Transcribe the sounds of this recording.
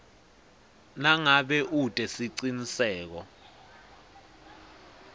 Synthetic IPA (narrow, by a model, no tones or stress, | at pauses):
naŋaɓɛʔutʼɛsiǀinisɛːk̬ɔ